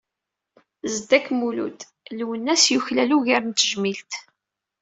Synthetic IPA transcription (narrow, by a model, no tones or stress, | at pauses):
zd̪ækmulṵt̪ | lwənːæsjuçlæluʝaɾnt̪əʒmilt̪